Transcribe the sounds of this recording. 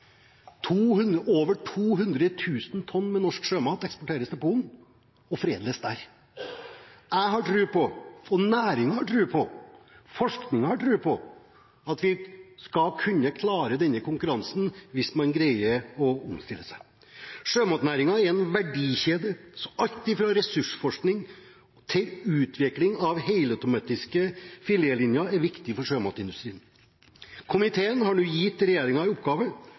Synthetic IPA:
t̪ʰuːhʉnd̪əʔoːʋəʈʰuːɦʉnd̪ɾət̪ʰʉːsn̩t̪ʰɔnːmɛnɔʂkʂøːmɑːt̪ɛkspɔʈʰeːɾəsd̪ɛpʰuːln | ɔfɾeːd̪lesd̪æɾ | æɪɦɑʈɾʉːpʰɔɔnæːɾɪŋɑhɑʈʰɾʉːpʰɔ | fɔʂknɪŋɑhɑʈʰɾʉːpʰɔ | ɑt̪ʋɪskɑlkʰʉnːəkʰlɑːɾəd̪ɛnːəkʊŋkʉɾɑnsn̩ʋɪsmɑnɡɾæɪəɔʊmst̪ɪlːəsæɪ | ʂøːmɑːt̪næːɾɪŋɑɛɾɛnʋæɖiːçeːd̪əsɔʔɑlt̪ɪfɾɑɾɛsʉʂfɔʂknɪŋ | t̪ʰɪlʉːt̪ʰʋɪklɪŋɑʋheɪləœt̪ʊmɑːt̪ɪskəfɪljeːlɪnjɑæɾʋɪkt̪ɪfɔʂøːmɑt̪ɪnd̪ʉst̪ɾiːən | kʰʊmɪt̪ʰeːənɦɑɳʉːjɪt̪ːɾɛjeːɾɪŋɑɪɔpɡɑːʋə

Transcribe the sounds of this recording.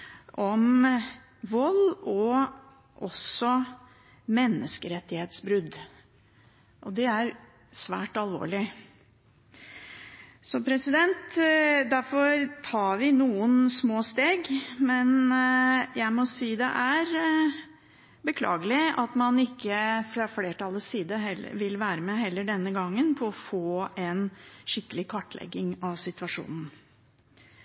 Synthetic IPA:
ʔɔm | ʋɔlːɔ | ʔɔsɔ | mɛnːəskəɾɛt̪ːɪheːt̪sbɾʉd̪ | ʔɔd̪ɛæɾ | sʋæ̰ːʈɑlʋo̰ːɭɪ | sɔpʰɾɛsɪd̪ɛnt̪d̪æɾfɔɾt̪ʰɑːɾʋɪnuːənsmoːst̪eːɡmɛn | jæɪmɔsiːd̪ɛ̰ʔæɾ | bəkʰlɑ̰ːɡəlɪɑt̪mɑnɪkːəfɾɑfleːʈɑlːəsiːd̪əɦɛlːə̰ʋɪlʋæːɾəmɛɦɛlːəɖɛnːəɡɑŋːənpʰɔɔfoːɛnʂɪkːəlɪkʰɑʈːlɛ̰ɡːɪŋɑʋsɪt̪ʋɑʂṵːnn̩

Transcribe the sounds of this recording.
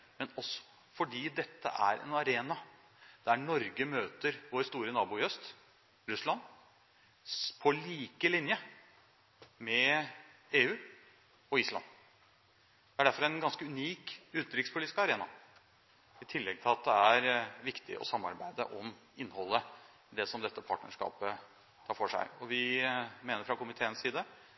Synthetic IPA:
mɛnɔsːɔ̥ | fɔɖiːd̪ɛt̪ʰːə̰ʔæɾɛ̰nɑɾeːnɑ | d̪̥ɛææɳɔɾɡəmøːt̪əɾʋoːɾst̪uːɾənɑːbʊœst̪ | ɾʉslɑn | pʰɔliːkəlɪnjə | mɛ | eːʉː | ɔiːslɑ̰n | d̪̥ɛæɖæɾfɔɾɛnɡɑnskəʉniːkʉːt̪̚d̪ɾʏkspʰʊliːɪ̥skɑɾeːnɑ | ɪt̪ʰɪlːɛɡ̚t̪ʰɪlɑt̪̚d̪ɛæɾʋɪkt̪ɪ̰ʔɔ̰sɑmːɑ̰ɾbæɪd̪ə̰ʔɔmɪnːhɔlːə | d̪ɛsɔmd̪ɛt̪ːəpʰɑ̰ːʈnə̰ʂkɑ̰ːpə | t̪ʰɑːɾfɔʂæ̰ɪɔʋɪmeːnəɾfɾɑkʊmɪt̪ʰeːənsiːd̪ə

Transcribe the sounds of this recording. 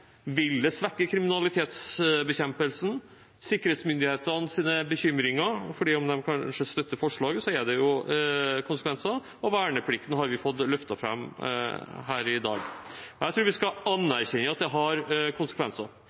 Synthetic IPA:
ʋɪld̪ɛsʋækːəkʰɾɪmɪnɑlɪt̪ʰeːt̪sbəçɛmpəlsn̩ | sɪkːəɾheːt̪smʏnd̪ɪheːt̪əɾnsiːnəbəçʏmːɾɪŋɑfɔɖiːɔmd̪ɛmkʰɑʂəst̪œt̪ːəɾfɔʂɭɑːɡəsɔæɖɛjʊ | kʰʊnsəkʰʋɛnsɑ | ɔʋæːɳəpʰlɪk̚t̪nəɦɑɾʋɪfɔt̪ːlœft̪ɑfɾɑ̰m | ɦæːɾɪd̪ɑ̰ːɡɔjæɪt̪ʰɾuːɾʋɪskɑɑnːæɾçɛɲːəɑt̪̚d̪ɛɦɑɾkʰʊnsəkʰʋɛnsɑ

